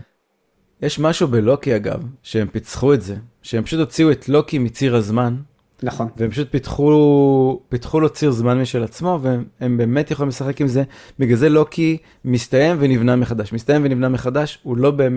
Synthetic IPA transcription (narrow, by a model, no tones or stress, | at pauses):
jeʃmaʃubelo̞kiaɡa̰vʃeempit͡sχuetze̞ | ʃeempḁʃut̪ho̞t͡siuet̪lo̞kimit͡siʁazman | naχnveempaʃut̪̚pit̪χu | pitχulot͡siʁzmanmiʃelat͡smo̞veembe̞ːmet̪jeχoimlesaχe̞kimze̞biɡaze̞lo̞kʰi | mist̪aje̞mvenivnameχad̪aʃmist̪aje̞mvenivnameχad̪aʃulo̞beːm